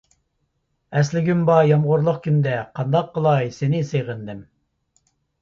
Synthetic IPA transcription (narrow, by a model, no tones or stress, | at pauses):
ɛslɪɡʲymbɑjɑmʁʊɾlˠʊqkʲʰynd̪ɛqʰɑnd̪ɑqʰːəlˠɑjsenɪseʁənd̪ɪm